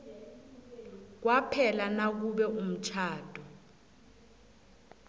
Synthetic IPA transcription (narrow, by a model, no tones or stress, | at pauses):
k̬wapʰɛlanak̬uɓɛʔum̩t͡ʃʰaːd̥ʱʼɔ